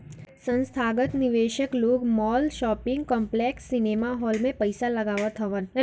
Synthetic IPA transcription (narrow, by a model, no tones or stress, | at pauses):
sə̃nst̪ʰaːɡət̪nɪʋeːʃəkloːɡmɔːlʃɔːpɪ̃ŋɡkɔ̃ːmpleːksːɪneːmaɦɔːlmẽpɐɪsalɐɡaːʋət̪ʰɦɐʋən